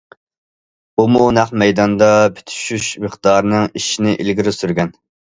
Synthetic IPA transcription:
bumunæχmɛjd̪ɑnd̪ɑpʰe̥t̪ʰy̥ʃyʃmɨχd̪ɑːɾnɨŋiʃinɪʔilɡʲiɾɪsyɾɡʲɛn

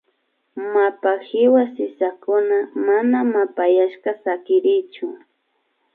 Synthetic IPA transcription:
mapahɪwasɪsakʊnamanamapajaʃkasakɪɾɪjt͡ʃʊ

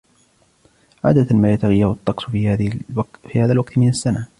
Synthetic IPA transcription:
ʕa̰ːd̪at̪amaːjat̪aɣɪjːahɑt̪ˤːɑqsˤ | fiːhaːðalwɑqt̪mɪnasːana

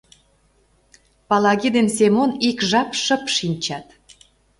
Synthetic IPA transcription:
pɑlɑɣid̪ensemonikʒɑpʃə̆pʃinʲt͡ɕɑt̪

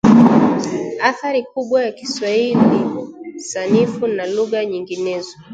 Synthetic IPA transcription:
aθaɾikuɓwajaki̥swaillinisanifunaluɣaɲiŋɡinɛzɔ

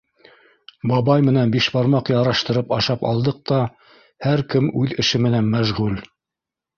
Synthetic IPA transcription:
bɑβɑjmɘ̆nænbiʃbɑɾmɑqjɑɾɑʃt̪ɤ̆ɾɤpɑʃɑpɑ̰lˠd̪ɤq̚t̪ɑ | hæɾkɘmʉðɘ̆ʃɘmɘ̆nænmæʒʁʉl

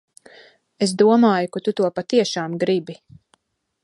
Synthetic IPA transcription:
es̬d̪uɔmaːjukat̪ut̪uɔpat̪iɛʃaːmɡɾibi

